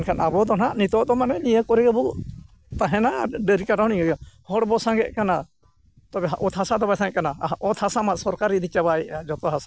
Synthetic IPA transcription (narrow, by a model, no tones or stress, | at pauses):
nkʰanabɔd̪ɔnaʔnit̪ɔʔd̪ɔmanɛnijəkɔɾiɡəbɔ | t̪aɦɛnaɖəɾikaʈaɦniŋəɡɛhɔɽbɔsãŋɡɛ̰ʔ̚kana | t̪ɔbɛɦaʔɔt̪ʰhasad̪ɔbasãŋkanaʔɔt̪ʰhasamasɔɾkaɾid̪it͡ʃabajʔad͡ʒɔt̪ɔɦasa